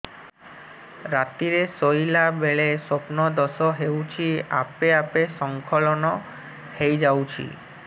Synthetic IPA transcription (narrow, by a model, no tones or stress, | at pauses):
ɾat̪iɾesojlabeɭesopnɔd̪ɔsɔɦewt͡ʃʰia̰peapesɔŋkʰɔlɔnɔ | hejd͡ʒawt͡ʃʰḭ